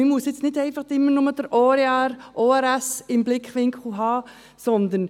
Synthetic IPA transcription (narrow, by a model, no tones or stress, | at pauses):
ɪmuəsjɪt͡snɪdɛɪfɑχdɪmːənʊməd̥̪əɾʔɔːɾeaɾʔoːɛɾæsɪmblɪkχʋɪŋkχl̩ɦɑː | sɔnd̪ən